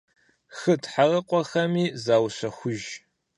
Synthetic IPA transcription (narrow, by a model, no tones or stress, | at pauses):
xɨtʰħarɐqʷʼɔxɐmiːzaːwɕɐxʷʊʒ